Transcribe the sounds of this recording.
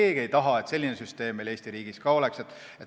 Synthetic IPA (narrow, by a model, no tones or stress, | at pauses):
e̞ːɡ̥ie̞jt̪ɑɦɑe̞t̪se̞lʲːinesyst̪e̞ːmːele̞ːst̪iɾiːɡ̥iskɑo̞le̞kset̪ː | et̪